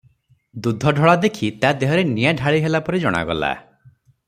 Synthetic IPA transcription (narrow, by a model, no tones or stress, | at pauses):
d̪ud̪ʱɔɖʱɔɭad̪ekʰit̪ad̪eɦɔɾenijaɖʱaɭiɦelapɔɾid͡ʒɔɽ̃a̰ɡɔ̰la̰